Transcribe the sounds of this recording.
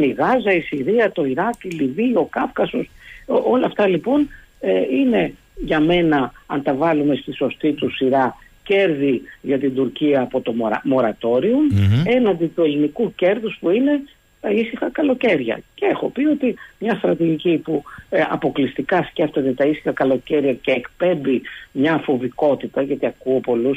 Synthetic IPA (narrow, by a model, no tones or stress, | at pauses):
niɣɐzɐisiɾiɐt̪o̞iɾɐkilivio̞kɐfkɐso̞so̞lɐft̪ɐlipo̞n | eine̞ | ʝɐme̞nɐɐnt̪ɐvɐlume̞st̪iso̞st̪it̪usiɾɐce̞ɾðiʝɐt̪ind̪uɾciɐːpo̞t̪o̞ɐ̰mo̞ɾɐt̪o̞ɾione̞nɐnd̪it̪ue̞linikuce̞ɾðuspuine̞ | t̪ɐisixɐkɐlo̞ce̞ɾʝɐ̰ceexo̞pio̞t̪imɲɐst̪ɾɐt̪iʝicipuɐ̰po̞klist̪ikɐsce̞ft̪et̪e̞t̪ɐisi̥xɐkɐlo̞ce̞ɾʝɐce̞ːkpe̞mbimɲɐfo̞viko̞t̪it̪ɐʝɐt̪iɐkuopo̞lus